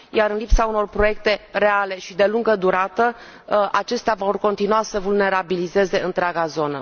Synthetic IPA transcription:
jaɾɨnlipsauno̞rpɾo̞je̞k̚t̪e̞re̞ale̞ʃid̪e̞luŋɡəd̪uɾat̪ə | ʔat͡ʃe̞st̪eavo̞rko̞nt̪inuasəvulne̞ɾabilize̞ze̞ɨnt̪ɾeaɡazo̞nə̰

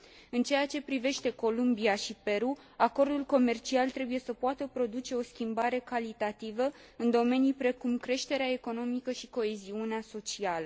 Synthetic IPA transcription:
ɨnt͡ʃe̞jat͡ʃe̞pɾive̞ʃt̪e̞ko̞lumbiaʃipe̞ɾu | ako̞rd̪ulko̞me̞rt͡ʃialt̪ɾe̞buje̞səpuat̪əpɾo̞d̪ut͡ʃe̞o̞skʲimbaɾe̞kalit̪at̪ivə | ɨnd̪o̞me̞nijpɾe̞kumkɾe̞ʃt̪e̞ɾeaeko̞no̞mikəʃiko̞e̞ziuneaso̞t͡ʃialə

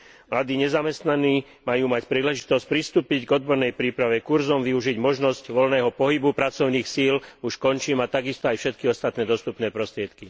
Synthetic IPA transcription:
mlad̪iːɲɛzamɛst̪naniː | majuːmacpɾiːlɛʒit̪ɔsc̚pɾist̪uːpiɟɡɔd̪̚bɔɾnɛjpɾiːpɾaʋɛkuɾzɔmʋiuʒiɟmɔʒnɔscʋɔlnɛːɦɔpɔɦibupɾat͡sɔʊniːxsiːluʃkɔnt͡ʃiːmat̪aɡist̪ɔajfʃɛt̪kiɔst̪at̪nɛːd̪ɔst̪upnɛːpɾɔst̪ɾɪɛt̪ki

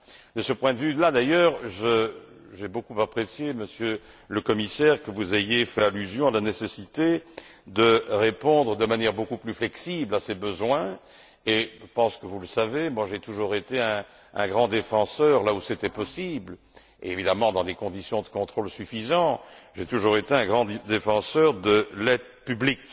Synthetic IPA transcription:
d̪əsəpwɛ̃d̪əvylad̪ajœːʁʒə | ʒɛbokupapχesjeməsjø | ləkɔmisɛːʁkəvuzejefɛalyzjɔ̃alanesesit̪e | d̪əʁepɔ̃d̪ʁəd̪əmanjɛʁbokuplyflɛksiblasebəzwɛ̃ | eʒəpɑ̃skəvuləsavemwaʒet̪uʒuʁet̪eɛ̃ | ɛ̰̃ɡʁɑ̃d̪efɑ̃sœʁlauset̪ɛpɔsibl | evid̪amɑ̃d̪ɑ̃d̪ekɔ̃d̪isjɔ̃d̪əkɔ̃t̪χolsyfizɑ̃ʒet̪uʒuʁet̪eɛ̃ɡʁɑ̃d̪efɑ̃sœʁd̪əlɛd̪ | pyblik

